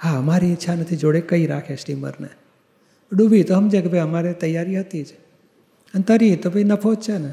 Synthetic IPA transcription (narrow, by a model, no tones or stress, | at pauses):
haəmaɾiːt̪ːʃʰanət̪ʰid͡ʒoɽekəiɾa̰kʰesʈimə̰ɾnḛ | ɖubʱit̪oɦəmd͡ʒẽkebʱəjəmaɾet̪əjaɾiɦət̪it͡ʃʰe̥ | ənt̪əɾit̪obʱəinəpʰod͡ʒt͡ʃʰene